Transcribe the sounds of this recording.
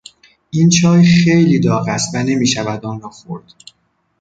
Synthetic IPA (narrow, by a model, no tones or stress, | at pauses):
ʔint͡ʃʰɒːjxejliːd̪ɒːɣæst̪væne̞miːʃævæd̪ɒːnɒːxoɾd̪̥